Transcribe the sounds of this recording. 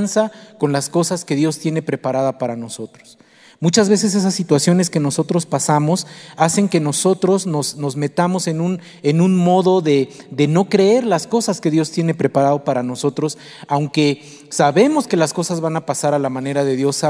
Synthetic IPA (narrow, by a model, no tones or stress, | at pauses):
nsako̞nlasko̞saske̞ðjo̞st̪je̞ne̞pɾe̞paɾað̞apaɾano̞so̞t̪ɾo̥s | mut͡ʃazβe̞s̬e̞s̬esasːit̪wasjo̞ne̞ske̞no̞so̞t̪ɾo̞spasamo̞sase̞ŋke̞no̞so̞t̪ɾo̞zno̞sno̞zme̞t̪amo̞se̞nũn | enũnmo̞ðo̞ðe̞ðe̞no̞kɾeeɾlasko̞saske̞ðjo̞st̪je̞ne̞pɾe̞paɾaðo̞paɾano̞so̞t̪ɾo̞s | awŋke̞ | saβe̞mo̞ske̞lasko̞sazβanapasaɾalamãne̞ɾaðe̞ðjo̞sa